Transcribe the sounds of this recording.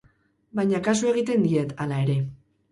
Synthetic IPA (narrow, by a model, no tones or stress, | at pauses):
bajɲakas̬ue̞ɣ̞it̪e̞nd̪ie̞t̪alae̞ɾe̞